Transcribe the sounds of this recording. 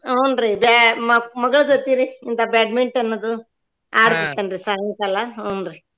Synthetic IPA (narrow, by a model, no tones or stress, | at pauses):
ɐwnɾibammɐɡɐɭɐd͡ʒot̪iɾiːnt̪ɐbaːɖ̚meɳʈɐnːɐd̪u | aːɽt̪it̪ːɐnɾisaːɦɐnkɐlaɐwnɾi